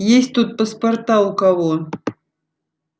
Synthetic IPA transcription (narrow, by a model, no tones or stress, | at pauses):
jesʲt̚ʲt̪ut̪̚pɐspɐrt̪aʊkɐvo